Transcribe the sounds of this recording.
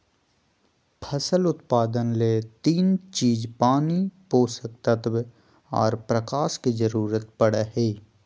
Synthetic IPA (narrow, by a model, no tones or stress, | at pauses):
pʰəsəlʊt̪paːd̪ənleːt̪iːnt͡ʃiːzpaːnipoːsək̚t̪ət̪b | ɔ̰ːɾpɾəkaːʃkid͡ʒəɾuːɾət̪pəɽeɦeː